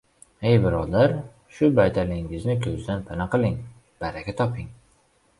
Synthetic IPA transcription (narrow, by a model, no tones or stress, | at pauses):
ejbɪɾɒd̪aɾ | ʃʊbajt̪ʰalɪŋɪznɪkʲʰɵzd̪anpʰanaqɨlˠɪŋ | b̥aɾakʲat̪ʰɒpʰɪŋ